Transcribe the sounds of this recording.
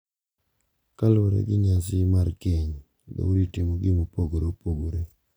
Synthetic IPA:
kaloɾḛɡɪɲasɪmaɾkeɲ | do̰uɾitɪmoɡɪmopoɡoɾopoɡoɾe

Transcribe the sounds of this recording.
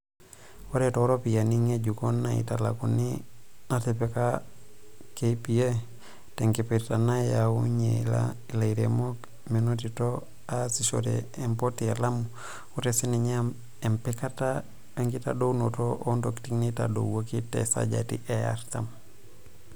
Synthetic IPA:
woɾetoɾopijaniŋeɟukonːaḭtala̰kuniatepeka | kepije | teŋkepetanajauɲela̰ilaiɾemok | menotito | asiso̰ɾḛːmpotialam | uɾesiniɲam | empekata | beŋɡita̰downotoʔondoktiŋnita̰do̰wwokitḛsa̰ɟa̰tḭʔeja̰ɾtam

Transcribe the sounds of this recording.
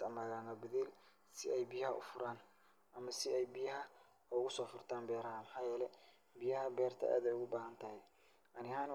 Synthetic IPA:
ɐmaːɣaːnɐbɪðiːl | sɪʔɛjbɪjɐhɐʔʊ̰fʊɾaːn | ʔɐmɐsɪɛjbɪjɐɦɐ | ʊɣʊsɔːfʊrt̪ʰaːmbɛːɾɐɦɐmɐħaːjɛːlɛ | bɪjɐɦɐbɛːrt̪ʰɐ̰ʔa̰ːd̪ɛjʊɣʊbaːɦɐnt̪ʰɐhɛ | ʔɐnɪhaːn

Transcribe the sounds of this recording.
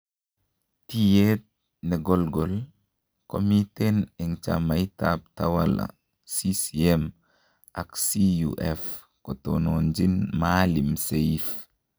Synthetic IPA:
tijet̚ | nɛɡɔlɡɔl | ko̰mitenɛŋt͡ʃa̰majtab̚tawala̰ | sisiɛm | ʔaksijṵʔɛf | kɔtonɔnd͡ʒinmaːlimsejf

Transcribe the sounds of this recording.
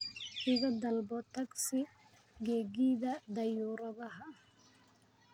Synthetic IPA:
ʔɪɣɐd̪ɐlbɔt̪ʰɐɡsɪ | ɡɛːɣiːðɐd̪ɐjuːɾɐðɐɦɐ

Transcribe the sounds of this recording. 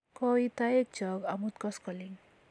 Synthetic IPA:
kʌit̪aek̚d͡ʒʌɡamut̪̚kʌskʌliŋ

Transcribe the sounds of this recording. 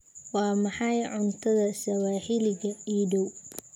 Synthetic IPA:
wɑːmɑħɑjʕʊnt̪ʰɐðɐsɐwaːħɪlɪɣɐiːɖɔw

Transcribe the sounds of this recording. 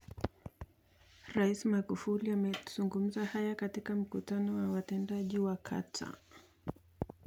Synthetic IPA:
ɾaismaɡufuliamɛz̥uŋɡum̩zahajakatikam̩kutanɔwawatɛndaʄiwakʰa̰tʰa̰

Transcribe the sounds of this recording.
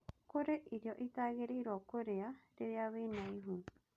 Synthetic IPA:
koɾeʔiɾjoʔit̪aɡeɾeiɾokoɾeaɾeβeaβenãĩɦũ

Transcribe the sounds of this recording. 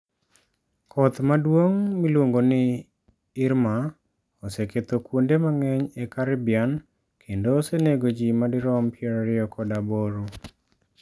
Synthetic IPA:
kʰɔt̪madwoŋmilwoŋɡonɪ | ɪɾma | ɔseket̪okwondemaŋɛɲekaɾɪbɪan | kʰendoseneɡod͡ʒimadɪɾɔmpʰɪeɾɾɪɔkʰɔdaboɾu

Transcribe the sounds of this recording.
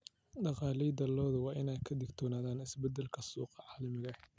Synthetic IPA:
ɖɑqɑːlɛjd̪ɐlɔːðɐwɑːʔɪnɛjkʰɐd̪ɪɡt̪ʰɔːnaːðaːnɪsbɛd̪ɛlkʰɐsuːqɑʕɑːlɐmɪɣɐ

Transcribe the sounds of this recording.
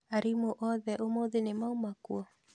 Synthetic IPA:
aɾimoʔɔðɛʔomoðenemaomakwɔ

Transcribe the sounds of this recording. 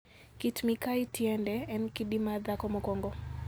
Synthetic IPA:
kitmikaitjɛndɛɛnkidimad̪akɔmɔkɔŋɡɔ

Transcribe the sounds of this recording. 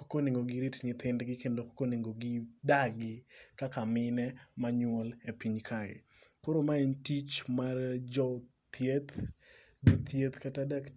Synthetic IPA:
kokoneŋɡoɡiɾitnɪt̪ʰɪndɡɪkendoko̥koneŋɡoɡɪdaɡɪkakamɪnɛmaɲʊwɔlepiɲkʰajɛ̰ | koɾomaintit͡ʃmard͡ʒɔ | t̪jet̪ | d͡ʒut̪jet̪katadak

